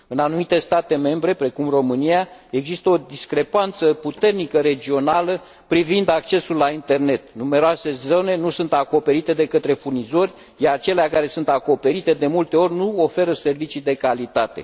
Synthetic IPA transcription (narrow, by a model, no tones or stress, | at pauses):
ɨnanumit̪e̞st̪at̪e̞me̞mbɾe̞pɾe̞kumro̞mɨnijae̞ɡzist̪əo̞d̪iskɾe̞pant̪səput̪e̞rnikəɾe̞d͡ʒio̞nalə | pɾivind̪ak̚t͡ʃe̞sulːaint̪e̞rne̞t̪nume̞ɾoase̞zo̞ne̞nusunt̪ako̞pe̞ɾit̪e̞d̪e̞kət̪ɾe̞furnizo̞rʲ | jaɾt͡ʃe̞leakaɾe̞sunt̪ako̞pe̞ɾit̪e̞d̪e̞mult̪e̞o̞rʲnuo̞fe̞ɾəse̞rvit͡ʃid̪e̞kalit̪at̪e̞̰